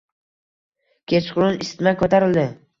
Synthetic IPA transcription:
kʲʰe̞t͡ʃqʰʊlɪnɪst̪ɪmakʰʲɵt̪ʰaɾɪld̪ɪ

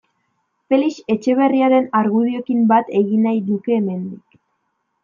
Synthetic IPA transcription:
pe̞lise̞t͡ʃe̞β̞e̞riaɾe̞naɾɣuð̞io̞kimbat̪e̞ɣinajðuke̞ːme̞nd̪ik

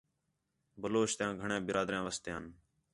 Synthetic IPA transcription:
bəloːʃt̪jãːɡʱəɳẽːbɪɾaːd̪ɾjãːʋəst̪jãːn

